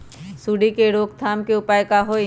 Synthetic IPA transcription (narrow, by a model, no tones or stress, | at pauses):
suːɽikeɾoːkt̪ʰaːmkeʊpaːjkaɦo